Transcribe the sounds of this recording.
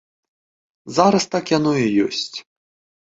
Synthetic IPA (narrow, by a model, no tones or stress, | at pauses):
zaɾɐst̪akjanɔjɛjɔsʲt͡sʲ